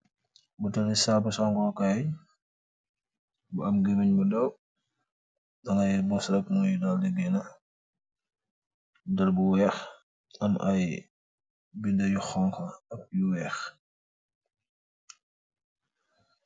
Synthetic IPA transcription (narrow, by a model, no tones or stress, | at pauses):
butɐlisabɐsɔŋɡɔkaj | buɐmɡemiɲbudɐw | dɐŋɐjbɔsɾɐk̚munjudɐldɛɡɛnɐ | bdɐlbuwɛːx | ɐmɐj | bindɐjuxɔŋkɐɐk̚juwɛːx